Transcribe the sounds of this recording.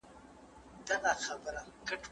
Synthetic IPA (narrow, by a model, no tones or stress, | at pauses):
d̪aɣaxabəɾakəʈʰ